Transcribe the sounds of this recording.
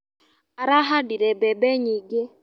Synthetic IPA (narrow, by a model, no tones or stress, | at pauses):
aɾaɦadiɾɛbɛbɛɲiɡɛ